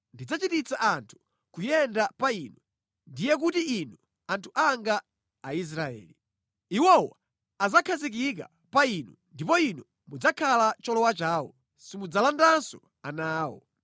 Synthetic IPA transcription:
ndid͡zat͡ʃitit͡saʔantʰu̥ | kujɛndapaiːnɔ | ndijɛk̬utiinɔ | antʰu̥ʔaŋɡaː | is̬ɾaɛ̰ːli | iwɔwa̰ | azakʰazik̬ik̬a̰ | painɔndipɔinɔ | mud͡zakʰalat͡ʃɔlɔwat͡ʃaːwɔ | simud͡zalandansɔ | anaːwɔ̰

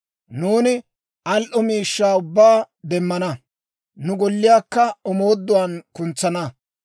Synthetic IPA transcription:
nuːnɪ | ɐlʔɔmiːʃːaːʊbːaː | d̪ɛmːɐnɐ | nʊɡɔlːɪjaːkːɐɔmoːd̪ːʊwaːnkʊnt͡sːɐnɐ

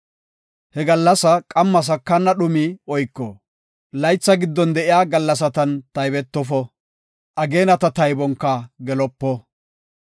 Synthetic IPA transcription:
hɛɡɐlːɐsɐkʼɐmːɐs̬ɐkːɐnːɐɗʊmiɔjkːɔ | lɐjt͡sːɐɡɪd̪ːɔnd̪ɛʔɪjaːɡɐlːɐs̬ɐt̪ɐnt̪ɐjbɛt̪ːɔfɔ | ʔɐɡe̞ːnɐt̪ɐt̪ɐjbɔŋkːɐɡɛlɔpːɔ

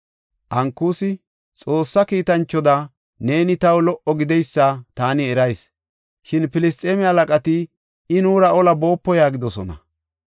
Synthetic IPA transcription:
ʔɐŋkːuːsɪ | t͡sʼo̞ːsːɐkiːt̪ɐnt͡ʃːɔd̪ɐ | ne̞ːnɪt̪ɐwlɔʔɔɡɪd̪ɛjsːɐt̪aːnɪɛɾɐjs | ʃɪnpɪlɪst̪ʼeːmɪɐlɐkʼɐt̪ɪ | ɪnuːɾɐɔlɐbo̞ːpːɔjaːɡɪd̪ɔsɔnɐ̰

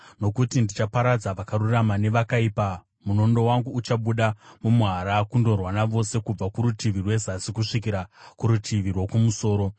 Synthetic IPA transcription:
no̞kutindit͡ʃapaɾad͡zaʋakaɾuramane̞ʋakaipa | muno̞ndo̞waŋɡuːt͡ʃaɓuɗamumuɦaɾakundo̞rwanaʋo̞se̞kub͡vakuɾutʰiʋirwe̞zasikuʂik̬iɾakuɾutʰiʋirwokumuso̞ːɾo̞

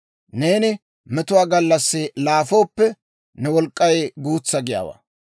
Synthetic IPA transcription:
ne̞ːnɪ | mɛt̪ʊwaːɡɐlːɐsːɪlaːfo̞ːpːɛ | nɛwɔlkʼːɐjɡuːt͡sːɐɡɪja̰ːwa̰

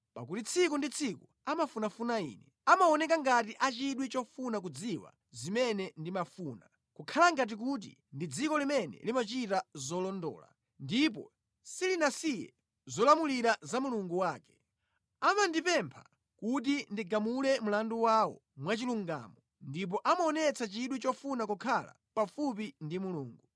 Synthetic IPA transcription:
pa̰kutit͡sʰikundit͡sʰiku | amafunafunaḭːnɛ | amaɔnɛk̬aŋɡatiʔat͡ʃiɗwit͡ʃɔfunak̬ud͡ziwa̰ | zimɛnɛndimafuːna | kukʰalaŋɡat̬ik̬ut̬ḭ | ndid͡zikɔlimɛnɛ̰limat͡ʃitazɔlɔndɔ̰ːla̰ | ndip̬ɔ̰ | silinasijɛ̰ | zɔlamuliɾazamuluŋɡuwaːkɛ̥ | amandipɛmpʰa̰ | kut̬indiɡamulɛmulanduwawɔ̰mwat͡ʃiluŋɡa̰ːmɔ | ndip̬ɔʔamɔnɛt͡sʰat͡ʃiɗwit͡ʃɔfunak̬ukʰala̰pafup̬indimuluːŋɡu

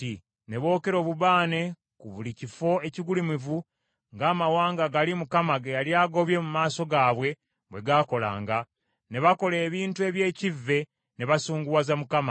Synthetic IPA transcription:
i | ne̞βo̞ːke̞ɾo̞ːβuβaːne̞ | kuβulicifo̞e̞ciɡulimivu | ŋɡaːmawaːŋɡaɡalimukamaɡejaljaːɡo̞βje̞mumaːso̞ɡaːβwe̞ | βwe̞ɡako̞la̰ːŋɡa | ne̞βako̞le̞ːβiːntue̞ːβje̞ːcivːe̞ | ne̞βasuːŋɡuwazamukama

